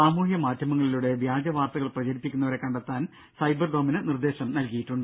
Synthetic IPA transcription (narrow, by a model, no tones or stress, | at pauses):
aːmuːhjɐmaːtjɐmɐŋːɐɭiluɽe̞ʋjaːd͡ʑɐʋaːrt̪ɐɣɐɭprɐt͡ɕɐɾipːikʲːunːɐʋɐɾe̞kːɐɳɖɐt̪ːaːn | sɐjbɐrɖominɨnird̪e̞ːɕɐmnɐlkijiʈːuɳɖɨ